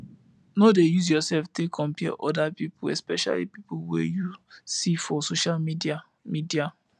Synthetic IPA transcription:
nodejuz̬jɔsɛlftekʰɔ̃mpiʔɔdapipʰuɛspɛʃa̰lḭpipuwɛ̰jusifɔsoʃalmid | midia

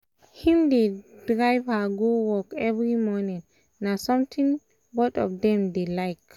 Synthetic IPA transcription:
hĩmdedɹajvhaɡowɔkɛvɹimɔnĩŋ | nasɔ̃mt̪ʰĩŋ | bɔtɔvdɛ̃mdelaɪk

